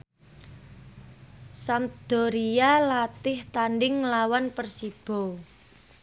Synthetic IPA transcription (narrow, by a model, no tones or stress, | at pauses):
samd̪̥ɔ̤ɾijalat̪ɪht̪anɖɪŋlawanpərsib̥ɔ̤